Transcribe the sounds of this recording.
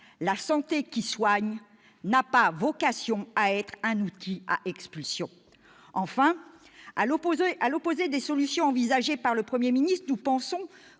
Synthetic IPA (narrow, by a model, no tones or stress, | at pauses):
lasɑ̃t̪ekʲiswaɲ | napavɔkasjɔ̃aɛt̪χɛ̃nut̪ʰia̰ʔɛkspylsjɔ̃ | ɑ̃fɛ̃ | aʔalɔpozed̪esɔlysjɔ̃ɑ̃vizaʒepaʁləpχəmjeminist̪χnupɑ̃sɔ̃